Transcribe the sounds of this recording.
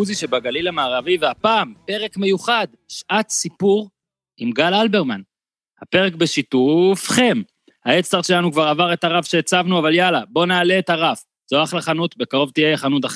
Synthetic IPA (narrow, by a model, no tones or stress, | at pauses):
uziʃebaɡalilamaːʁaviveapaːmpe̞ʁe̞kme̞juχad̪ | ʃʔat̪sipuʁ | imɡalalbe̞ʁman | hape̞ʁekbeʃitufχe̞m | haet͡st̪aʁʃe̞lanukvaʁavaʁe̞t̪aʁafʃeːt͡savnuavaljalabo̞naːle̞ːtaʁaf | z̥oaχlaχanut̪be̞kaʁo̞vt̪ijejaχanut̬aχ